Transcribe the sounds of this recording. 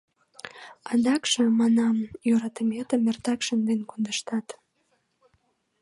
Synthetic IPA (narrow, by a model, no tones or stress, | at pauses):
ɑd̪ɑkʃə̆mɑnɑmjøɾɑt̪əmet̪əmert̪ɑkʃənd̪enkond̪əʃt̪ɑt̪